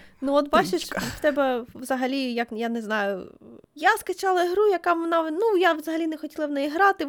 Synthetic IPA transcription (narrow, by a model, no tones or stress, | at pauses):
nuɔt̪bɑt͡ʃʊʃwt̪ɛbɛʋzɐɦɐlʲijɐkjanɛznɑjʊjaskɐt͡ʃɑlˠɐiɦɾujɐkɑʋɔnɑnujaʋzɐɦɐlʲinɛxɔtʲilˠɐwnɛjiɦɾɑt̪ɪ